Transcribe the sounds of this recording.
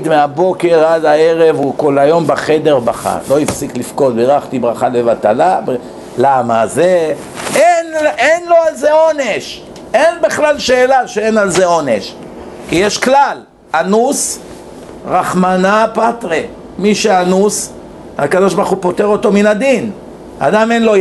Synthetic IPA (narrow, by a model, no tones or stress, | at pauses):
d̪meabo̞ke̞ʁad̪aeʁe̞vuko̞lajo̞mbaχed̪e̞ʁbaχa̰lo̞ifsiklifko̞d̪beʁaχt̪ibʁaχalevat̪alab | lamaze | enʔenlo̞alzeo̞ne̞ʃ | enbiχlalʃe̞ːlaʃeenalzeo̞ne̞ʃ | kijeʃklal | anus | ʁaχmanapat̪ʁe | miʃeanus | ha̰kad̪o̞ʃbaʁχupo̞t̪eʁo̞t̪o̞minad̪in | a̰d̪amenlo̞